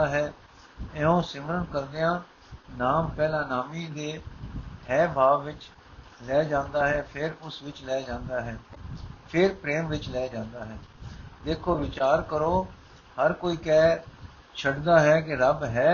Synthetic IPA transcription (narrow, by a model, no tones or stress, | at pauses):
aːɦɛː | ɛːõːsɪmɾənkəɾd̪ɪãː | naːmpɛːlãːnaːmiːd̪eːɦɛːbʱaːʋʋɪt͡ʃ | lɛːd͡ʒãːnd̪aːɦɛːpʰɪɾʊsʋɪt͡ʃlɛːd͡ʒãːnd̪aːɦɛːpʰɪɾpɾeːmʋɪt͡ʃlɛːd͡ʒãːnd̪aːɦɛːd̪eːkʰoːʋɪt͡ʃaːɾkəɾoː | həɾkoːiːkɛː | t͡ʃʰəɖd̪aːɦɛːk̬ɪɾəbɦɛː